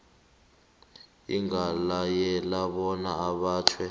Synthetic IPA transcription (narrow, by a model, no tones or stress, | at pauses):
ḭŋalajɛlaɓɔnaːɓaːtʰwɛ